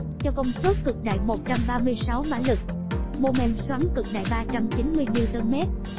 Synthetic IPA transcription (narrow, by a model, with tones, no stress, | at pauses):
t͡ɕɔ˧kə˧wŋ͡msə˦˥kːɨ˨˩k̚ɗa̰ː˧˨jmo˨˩t̚t͡ɕa˧mɓaː˧mɨ˧əjsa˨˦wmaː˧˨˦lɨ˨˩k̚ | mo˧mɛ˧˩mswaː˨˦ŋkɨ˨˩k̚ɗa̰ː˧˨jɓaː˧t͡ɕa˧mt͡ɕi˨˦nmɨ˧əjmi˧t̪ə˧mɛ˦˥t̚